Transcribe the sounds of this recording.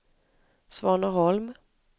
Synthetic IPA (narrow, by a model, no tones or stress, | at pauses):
svɑːɳahɔlm